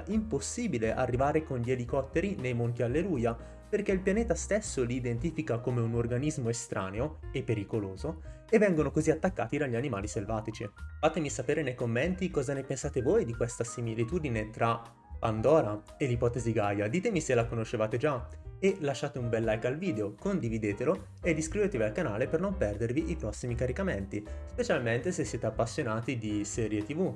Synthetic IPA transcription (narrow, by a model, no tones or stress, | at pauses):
ʔimposːiːbileʔarːivaːɾekonʎelikɔt̪ːeɾinejmont̪̬ialːeluːja | perkeilpjaneːt̪ast̪esːoliːd̪ent̪iːfikakomeunorɡanizmoest̪ɾʔa̰ːneoepːeɾikoloːzo | evːɛŋɡonokoziat̪ːakːaːt̪id̪aʎːianima̰ːliselvaːt̪it͡ʃifaːt̪emisapeːɾenejkomːent̪ikɔːzanepensaːt̪evoːjd̪ikwest̪asimilit̪uːd̪inet̪ɾa | pand̪ɔːɾa | elipɔːt̪eziɡajad̪iːt̪emiselakonoʃːevaːt̪ed͡ʒaelaʃːaːt̪eumbɛlːajkalviːd̪eokond̪ivid̪eːt̪elo | ed̪ːiskɾiveːt̪evialkanaːlepernompɛrd̪erviʔipɾɔsːimikaɾikament̪ispet͡ʃalment̪esesːjeːt̪eapːasːjonaːt̪id̪isɛːɾjet̪ivu